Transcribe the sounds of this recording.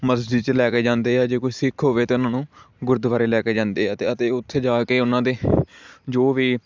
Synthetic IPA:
məsd͡ʒiːt͡ʃlɛːkeːd͡ʒãːnd̪eːɦɛːd͡ʒeːkʊisɪkʰɦoːʋeːt̪eːʊnãːnũːɡʊɾd̪ʋaːɾeːlɛːkeːd͡ʒãːnd̪eːɦɛːt̪eːət̪eːʊt̪ʰːeːd͡ʒaːkeːʊnãːd̪eːd͡ʒoːʋiː

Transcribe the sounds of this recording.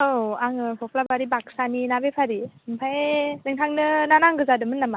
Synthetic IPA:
owaŋɯpʰɔpʰlabaɾibak̚saninabepʰaɾiɯmpʰajnɯŋtʰaŋnɯnanaŋɡɯzadɯmɯnːama

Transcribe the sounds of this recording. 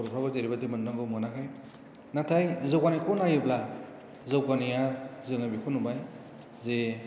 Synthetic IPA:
ɾpʰɾabazeɾibadimannaŋɡɯwmɔnakʰaj | natʰajzɯwkaniakɔnajɯbla | zɯwkanijazɯŋabikʰunubaj | ze

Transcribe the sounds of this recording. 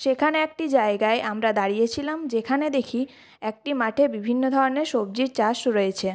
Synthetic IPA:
ʃekʰaneek̚ʈid͡ʑaeɡaeʔamɾad̪aɾijet͡ɕʰilamd͡ʑekʰaned̪ekʰi | ɛk̚ʈimaʈʰebibʱinːod̪ʱɔɾoneɾʃob̚d͡ʑiɾt͡ɕaʃɾoet͡ɕʰe

